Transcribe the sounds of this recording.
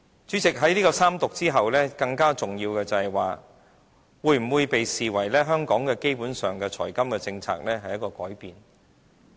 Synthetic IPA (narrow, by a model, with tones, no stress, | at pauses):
t͡ʃyː˨˥t͡sɪ˨k̚ɦɐ˨˥jniː˥kɔː˧saː˥mt̪ʊ˨k̚t͡siː˥ɦɐ˨wlɛː˥kɐ˧ŋkaː˥t͡sʊ˨ŋjiː˧wkɛː˧t͡sɐ˨˩hɐ˨jwaː˨ | wuː˧jm̩˨˩wuː˨˧jpe˨jsiː˨˩wɐ˨˩jlɛː˥ɦœː˥ŋkɔː˨˥ŋkɛː˧ke˥jpuː˨˥nsœː˨ŋkɛː˧t͡sʰɔ̰ː˨˩jkɐ˥mkɛː˧t͡sɪ˧ŋt͡sʰa̰ː˨k̚lɛː˥ɦɐ˨jːɐ˥t̚kɔː˧kɔ̰ː˨˥jpiː˨n